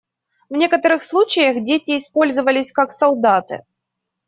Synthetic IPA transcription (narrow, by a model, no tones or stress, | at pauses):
vnʲe̞kət̪əɾɨxslˠut͡ɕɪjəxdʲetʲɪːspo̞lʲzɨvəlʲɪsʲkaksɐlˠd̪at̪ɨ̰